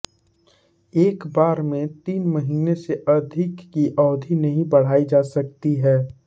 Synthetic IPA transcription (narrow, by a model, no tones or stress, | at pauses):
eːkbaːɾmẽt̪iːnməɦiːneseʔɐd̪ʱɪkːiʔɔːd̪ʱinɐɦĩbɐɽ̤aːid͡ʒaːsɐk̚t̪iɦɛː